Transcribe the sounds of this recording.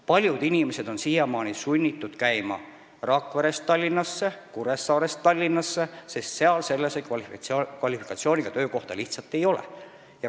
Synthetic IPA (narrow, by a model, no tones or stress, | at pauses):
pɑlʲjud̪inʲimese̞d̪o̞nsijemɑːnʲisunʲːit̪ːˑud̪̥kæjmɑ̰ | rɑkveɾe̞st̪ɑlʲːinːɑsːe̞kuɾesːɑːɾest̪ɑlʲːinːɑsːesest̪se̞ɑlse̞lːesekɑkvɑlʲifi̥kˑɑt̪sio̞ːnʲiɡ̥ɑt̪øːko̞ht̪ɑliht̪sɑt̪ːˑe̞jo̞lḛ | jɑ